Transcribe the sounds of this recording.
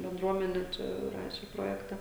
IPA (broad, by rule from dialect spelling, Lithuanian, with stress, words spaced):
bʲɛnˈdruɔmʲɛnʲɛ ˈt͡ʃʲɛ ˈrɑːʃʲɛ ˈproːjɛktɐ